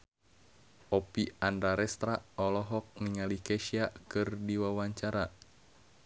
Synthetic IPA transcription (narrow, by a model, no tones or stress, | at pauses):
ʔɔpiandɾaɾɛst̪ɾaɔlɔɦɔk̚niŋalikɛʃiakɨrdiwawaɲt͡ʃaɾa